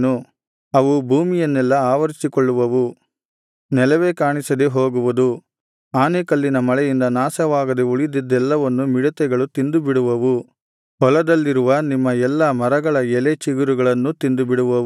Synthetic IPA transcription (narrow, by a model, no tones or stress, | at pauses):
nu | ɐʋubʱuːmijɐnːɛlːɐaːʋɐɾisikɔɭːuʋɐʋu | nɛlɐʋeːkaːɳisɐd̪eɦoːɡuʋud̪u | aːnekɐlːinɐmɐɭɛjind̪ɐnaːsɐʋaːɡɐd̪euɭid̪id̪ːɛlːɐʋɐnːumiɽɐt̪ɛɡɐɭut̪ind̪ubiɽuʋɐʋu | ɦɔlɐd̪ɐlːiɾuʋɐnimːɐɛlːɐmɐɾɐɡɐɭɐɛlet͡ʃiɡuɾuɡɐɭɐnːut̪ind̪ubiɽuʋɐ